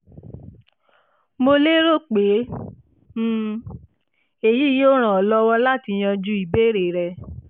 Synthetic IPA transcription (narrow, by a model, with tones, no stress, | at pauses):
mo˧le˦ɾo˦˨k͡pe˨˦ | m̩ː˦˨ | e˨ji˨˦jo˦ɾ̃ã˨ɔ˨lɔ˦wɔ˦la˦ti˧j̃ã˧d͡ʒu˦i˨be˦ɾe˨ɾɛ˧